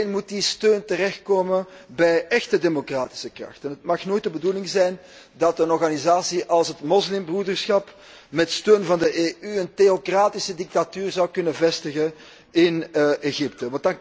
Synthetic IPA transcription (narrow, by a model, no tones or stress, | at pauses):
nmut̚distøːntərɛxt̚koːməbɛjʔɛxtədemokraːtɪ̥səkrɑ̰xtənɦətmɑxnoːjt̚dəbəduːlɪŋzɛjn | dɑtənɔrɣanizaːsiʔɑlˠsətmɔslɪmbrudərsxɑp | mɛtstøːnvɑndəʔeːyənteokraːtɪsədɪk̚tatyːrzɑwkɵnəvɛstəɣə | ɪneɣɪp̚təʋɑntdɑn